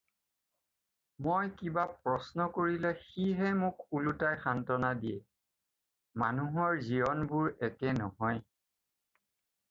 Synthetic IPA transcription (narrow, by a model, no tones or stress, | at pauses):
mojkibapɹɔsnɔkoɹilɛxiɦɛmʊkulutajxantɔnadijɛ̰ | manuɦɔɹziɔnbʊɹɛkɛnɔ̰ɦɔj